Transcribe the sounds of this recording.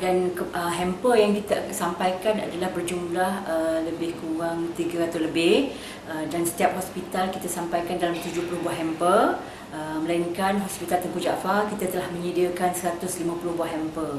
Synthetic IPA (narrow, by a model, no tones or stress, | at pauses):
danʔəɦɛmpəjaŋkit̪asampajkana̰dalahbərd͡ʒumlahələbɪhkuwaŋt̪iɡaat̪awləbɪh | ədansə̥t̪iap̚ɦɔspit̪alkit̪asampajkandalamt̪ud͡ʒʊhpuluɦbuaɦɛmpər | əməlaiŋkanɦɔspit̪alt̪əmpud͡ʒa̰fakit̪at̪əlahmə̃ɲədiəkansəɾat̪ʊslimãpuluhbuahɦɛmpər